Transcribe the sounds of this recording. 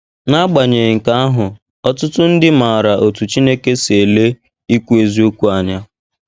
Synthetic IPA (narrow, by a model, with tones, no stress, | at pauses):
na˦ɡ͡ba˨ɲe˨ŋ̩˨ka˦a˦ɦʊ˨ | ɔ˦tʊ˦tʊ˦n̩˦dɪ˦ma˨ɾa˨ʔo˨tu˨t͡ʃi˦ne˦ke˦se˨le˦ | i˦kʷu˦e˨zi˦o˦kʷu˦a˨ɲa˦